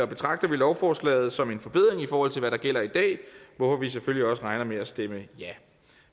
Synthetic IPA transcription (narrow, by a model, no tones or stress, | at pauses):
ɒ̽b̥e̝t͡sʰʁɑ̈ɡ̥̚d̥ɐʋilɒʊfɒːslɛ̰ːɪð̞̩ˠsɒ̽me̝nfɒ̽b̥e̝ð̰ˠʁe̝ŋifɒːhɒ̽l̰t͡sʰe̝lʋæɾɑ̈ɡ̥el̰ɐid̥ɛ̰ːʋɒfɒ̽ʋis̬eføljiɒ̽səʁɑ̈ɪnɐmeæsd̥eməjæ